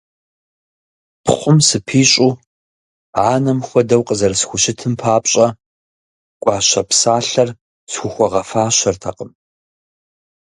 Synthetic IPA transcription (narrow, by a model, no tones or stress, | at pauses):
pʰχʷʊmsɨpʰiːɕʼu | ʕaːnɐmxʷɔdɐwqʼəzɐrɐsxʷʊʃɪtʰɨmpʰaːpʼɕʼɐ | kʷʼɑːɕɐpsaːɬɐr | sxʷʊxʷɔʁɐfaːɕɐrtʰɐqəm